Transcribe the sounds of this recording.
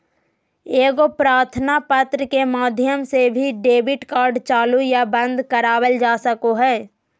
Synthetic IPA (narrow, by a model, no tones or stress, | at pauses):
eːɡopɾaːɾt̪ʰənapət̪ɾəkemaːd̪ʱjəmsebʱiɖeːbɪʈkaːɾɖt͡ʃaːlujabə̃nd̪kəɾaːwəld͡ʒaːsəkoɦɛː